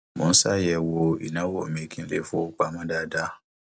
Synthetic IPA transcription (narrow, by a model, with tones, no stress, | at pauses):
mõ̰˨˦n̩˦sa˦˨jɛ˧wo˧ḭ˨nã˨˦wo˦˨mĩ˨˦kʰĩ˦lḛ˦˨fo˦k͡pa˧˦mã˦da˦˨da˦